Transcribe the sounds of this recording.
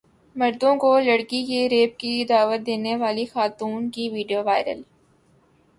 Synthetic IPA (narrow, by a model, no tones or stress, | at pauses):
mɐɾd̪õkolɐɽkikeɾeːp̚kid̪aːʋət̪̚d̪eːneʋaːlixaːt̪uːnkiʋiːɖijoʋaːɪɾə̰l